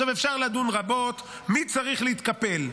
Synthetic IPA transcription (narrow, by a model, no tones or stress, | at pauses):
amefʃaʁlad̪unʁabo̞t̪ | mit͡saʁiχleit̪kape̞l